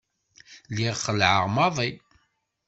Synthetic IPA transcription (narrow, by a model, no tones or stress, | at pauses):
liʁχəlʕə̰ʁmɑðˤi